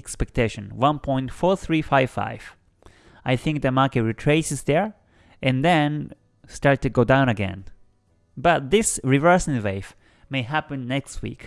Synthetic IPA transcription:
ɛkspɛk̚tʰeɪʃɨ̃nwʌ̃npʰɔ̃ɪ̃ntfɔɹθɹifaɪv̥fa̰ɪv̥ | aɪθɪ̃ŋk̚ðɨmɑɹkɨt̚ɹitʰɹ̥eɪsɨsðə˞ | ʔɨ̃nðɛ̃n | stɑɹtɨɡoʊdãʊ̃ñɨɡɛ̰̃n | bʌt̪̚ðɪsɹivɜ˞sɪ̃nveɪf | meɪɦæpɨ̃nːɛkst̚wḭk

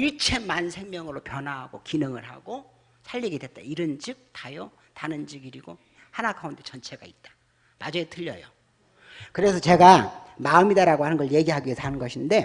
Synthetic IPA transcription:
iɭt͡ɕʰe̞mansʰe̞ŋmjʌŋɯɾopjʌnɦaɦːɡokinɯŋɯɭɦa̰ɡo | sʰaʎːiɡedwet̚t͈aiɾɯnd͡ʑik̚tajo | tanɯnd͡ʑiɡiɾiɡo | hanaɡaunde̞t͡ɕʌnt͡ɕʰe̞ɡait̚t͈ḁ | mad͡ʑʌetʰɯʎːʌ̰jo | kɯɾe̞sʰʌt͡ɕe̞ɡamaɯmidaɾaɡohanɯnɡʌɭje̞ɡiɦaɡiesʰanɯnɡʌɕʰinde̞

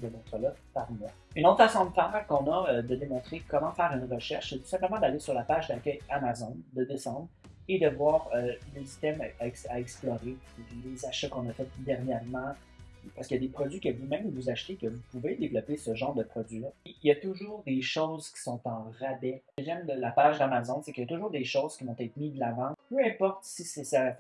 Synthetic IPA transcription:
d̪ənɔt̪χəlɔpaʁmwa | ynot̪χfasɔ̃d̪əfɛːʁkɔ̃nad̪əd̪emɔ̃t̪χekɔmɑ̃fɛːʁynʁəʃɛʁʃset̪u̥sɛ̃pləmɑ̃d̪alesyʁlapaʒd̪akʲœjamazɔnd̪əd̪esɑ̃d̪ʁ | ed̪əvwaːʁølesi̥st̪ɛmaɛksaɛksplɔʁe | lezaʃakɔ̃nafɛt̪̚d̪ɛʁnjɛʁmɑ̃ | paʁskəjad̪epχɔd͡zzɥikəvumɛ̃mvuzaʃt̪ekəvupuved̪evlɔpesəʒɑ̃ːʁd̪əpχɔd͡zzɥilailjat̪uʒuːʁd̪eʃoʊzkʲi̥sɔ̃t̪ɑ̃ʁabɛəʒɛmd̪əlapaʒd̪amazɔnsɛkəjat̪uʒuːʁd̪eʃoʊz̥kʲivɔ̃t̪ɛt̪χmid̪əlavɑ̃pøɛ̃pɔʁt̪sisesa

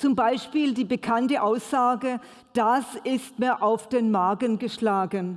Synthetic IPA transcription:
t͡sʊmbaɪʃpiːldiːbəkʰantəʔaʊsz̥aːɡə | d̥asɪstmiːɐʔaʊfd̥eːnmaɐɡənɡəʃlaːɡən

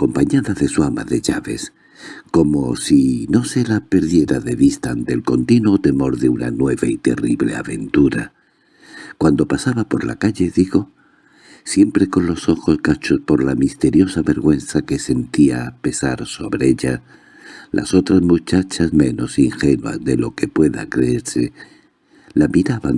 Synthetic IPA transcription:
ako̞mpaɲaðaðe̞suama̰ðe̞ʝaβe̞s | ko̞mo̞sino̞se̞lape̞ɾðje̞ɾaðe̞βist̪aːnt̪e̞lko̞nt̪inuo̞t̪e̞mo̞ɾðe̞una̰nwe̞βait̪e̞riβle̞̰a̰βe̞nt̪uɾa | kwand̪o̞pasaβapo̞ɾla̰kaʎe̞ðiɣo̞ | sje̞mpɾe̞ko̞nlo̞so̞xo̞sɣat͡ʃo̞spo̞ɾlamist̪e̞ɾjo̞saβe̞ɾɣwe̞nθake̞se̞nt̪iape̞saɾso̞βɾe̞eʎa | lʔa̰so̞t̪ɾazmut͡ʃat͡ʃazmẽ̞no̞siŋxe̞nua̰zðe̞lo̞ke̞pwe̞ða̰kɾe̞eɾse̞ | lamiɾaβa̰ŋ

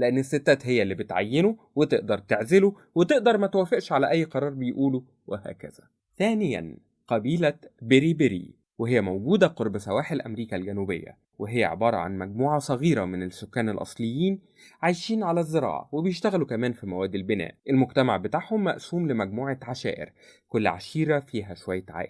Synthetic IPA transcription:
leʔenːesːet̪ːæːt̪ɦejːælːiːbet̪ʕa̰jːeno | wet̪eʔd̪ɑɾˤt̪eʕzelu | wet̪eʔd̪ɑɾˤmæt̪wæfeʔʃʕalæʔæjːqɑɾˤɑːɾˤbejʔuːlu | wehæ̰ːkæ̰z̥æ | θæːnɪjæ̰n | qɑbiːlæbeɾibeɾḭ | weɦejːæmowɡuːd̪æqoɾˤbsæwæːħelʔæmɾiːkælɡænubḛjːæ̰ | weɦejːæ̰ʕḛbɑːɾˤɑ̰ʕa̰nmæɡ̚muːʕɑsˤɑɣiːɾæmenesːokːæːnelʔɑ̰sˤlejːiːn | ʕajʃiːnʕalæzːeɾˤɑ̰ːʕɑ̰webejeʃt̪æɣælukæmæːnfimæwæːd̪ːelbenæ̰ːʔʔelmoɡt̪æma̰ʕbet̪aːʕhomːæ̰ʔsuːmlemæɡ̚muːʕaʕaʃæ̰ːʔḛɾ | kolːʕa̰ʃiːɾæfiːɦæʃowæjːæʕa̰ːʔ

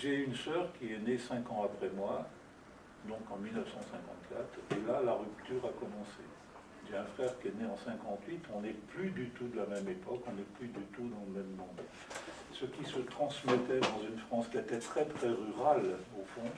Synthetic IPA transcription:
ʒeynsœʁkʲiɛnesɛ̃kɑ̃apχɛmwa | d̪ɔ̃kɑ̃milnəfsɑ̃sɛ̃kɑ̰̃t̪kat̪χelalaʁyp̚t̪yʁakɔmɑ̃se | ʒeɛ̃fχɛʁkʲiɛneɑ̃sɛ̃kɑ̃t̪ɥit̪ɔ̃nɛplyd̪yt̪ud̪əlamɛmepɔkɔ̃nɛplyd̪yt̪ud̪ɑ̃ləmɛmːɔ̃d̪ | səkʲisət̪χɑ̃smɛt̪ɛd̪ɑ̃zynfχɑ̃skʲiɛt̪ɛt̪χɛt̪χɛʁyʁalofɔ̃

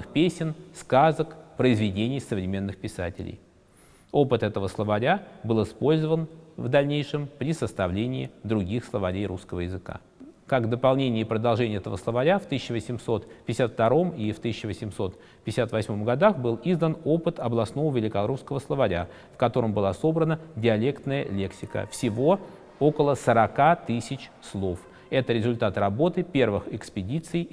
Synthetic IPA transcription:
ɨxpʲesʲɪnskazəkpɾəɪzvʲɪdʲenʲɪjsəvɾʲɪmʲe̞nːɨxpʲɪsa̰tʲɪ̰lʲɪ̰j | opɨt̪ɛt̪əvəslˠəvɐɾʲabɨlˠɪspo̞lʲzəvənvd̪ɐlʲnʲejʂɨmpɾʲɪsəst̪ɐvlʲenʲɪɪ̰d̪ɾʊɡʲixslˠəvɐɾʲejɾuskəvəjɪzɨka̰ | kaɡvd̪əpɐlˠnʲenʲɪːpɾəd̪ɐlˠʐɛnʲɪjɛt̪əvəslˠəvɐɾʲaft̪ɨsʲɪɕəvəsʲɪmso̞t̪pʲɪɪsʲat̪ft̪ɐɾo̞mift̪ɨsʲɪɕt͡ɕːɪvəsʲɪmso̞t̪ | pʲɪɪsʲat̪vɐsʲmõ̞mɡɐd̪axbɨlˠizd̪ənopɨt̪ɐblˠɐsno̞vəvʲɪlʲɪkɐlˠɾufskəvəslˠəvɐɾʲa̰ | fkɐt̪o̞ɾəmbɨlˠaso̞bɾənədʲɪɐlʲe̞kt̪nəjəlʲe̞ksʲɪkə̰fsʲɪvo̞ | okəlˠəsəɾɐkat̪ɨsʲɪt͡ɕslˠo̞f | ɛt̪əɾʲɪzʊlʲt̪at̪rɐbo̞t̪ɨpʲe̞rvɨxɪkspʲɪdʲit̪sɨj

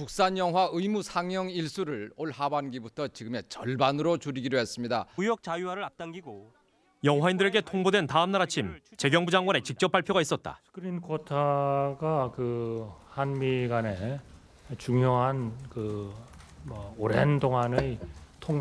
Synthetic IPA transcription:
puk̚s͈aɲjʌŋɦwaɯimusʰaŋjʌŋiɭs͈uɾɯɭoɭhabanɡibutʰʌt͡ɕiɡɯme̞t͡ɕʌɭbanɯɾot͡ɕuɾiɡidoɦe̞s͈ɯmɲidamujʌk̚t͡ɕajuwaɾɯɭap̚t͈aŋɡiɡo | jʌŋɦwaindɯɾe̞ɡe̞tʰoŋbodwe̞ntaɯmnaɾat͡ɕʰimt͡ɕe̞ɡjʌŋbud͡ʑaŋɡwane̞t͡ɕik̚t͡ɕ͈ʌp͈ːaɭpʰjoɡais͈ʌt̚t͈a̰skʰɯɾinkʰotʰaɡakɯhanmiɡane̞ | t͡ɕuŋjoɦankɯ | mʌoɾendoŋanɯjtʰoŋ

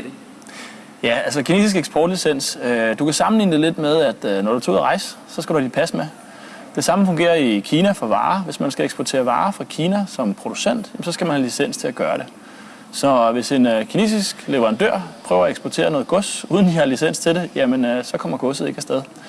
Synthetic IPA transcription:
jæælsəkʰinḛːsisɡ̥eɡsb̥ɒːd̥lisen̰sød̥ukʰæsɑ̈mn̩lḭːnəd̥e̝le̝d̥með̞ˠæd̥nɒɾ̥ut͡sʰo̰ð̰ˠʁɑ̈ɪ̰s | sɒ̽sɡ̥æɾuhædipʰæsmæ | d̥e̝sɑ̈məfɔ̽ŋɡe̝̰ːɐikʰiːnæfɒ̽ʋɑ̈ːʋe̝smænsɡ̥æeɡsb̥ot͡sʰḛːɐʋɑ̈ːfʁɑ̈kʰiːnæsɒ̽mpʰʁo̝d̥usen̰d̥jæmsɒ̽sɡ̥æmænhælisen̰st͡sʰe̝læɡ̥ɶːɐɾ̥e̝ | sɒ̽ʋe̝se̝nkʰine̝̰ːsisɡ̥le̝ʋɐʁɑ̈nd̥øɐ̰pʰʁœːʊɐæeɡ̥sb̥ɔt͡sʰe̝̰ːɐnɔ̽ːð̩ˠɡ̥ɔ̽suːð̞ˠn̩ihɑlisen̰st͡sʰe̝dejæmensɒ̽kʰɒ̽m̰ɐɡ̥ɔ̽səð̩ˠe̝ɡ̥æsd̥eðˠ

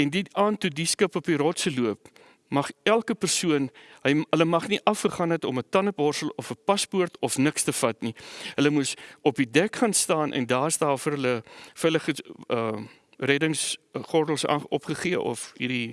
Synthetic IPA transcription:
ɛndiɑːntudiskəpɔpiɾɑːtsəluəp̚ | mɐχælˠkəpərsuənɦəjɦələmɐχniʔɐfχəχɑːnɛtɔmətɐnəpɑːrsəlɔfəpɐspuərtɔfnəkstəfɐtniɦələmusɔpidɛkχɐnstɑːnʔɛ̰ndɑːsdɑːfərɦələfələχəə | rɛdəŋsχɔrdəl̩ˠsɑ̰ɔpχəχiəʔɔ̰fɦiri

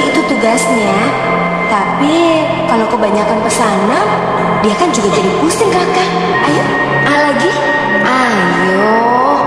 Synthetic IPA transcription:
it̪ut̪uɡasɲa | t̪api | kalokəbaɲakanpərsama | diakand͡ʒuɡad͡ʒadikusɪŋkaka | aja | ʔalaɡi | ʔa | jɔ

